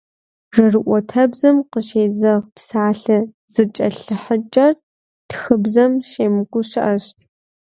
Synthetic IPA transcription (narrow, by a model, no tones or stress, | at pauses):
rɐrɨʔʷɔtʰɐbzɐmqəʃeːd͡zɐʁpsaːɬɨ | z̥ɨt͡ʃʼɐɬɨħət͡ʃʼɐr | txɨbzɐmʃeːmɨkʷʊɕɪʔɐɕ